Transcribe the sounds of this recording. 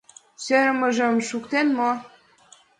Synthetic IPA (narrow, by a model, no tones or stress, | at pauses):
søɾmə̆ʒə̆mʃukt̪enmo